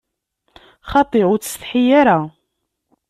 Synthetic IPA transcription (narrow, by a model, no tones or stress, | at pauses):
χɑt̪ˤeʁʊɾt͡sə̥sθħijaɾa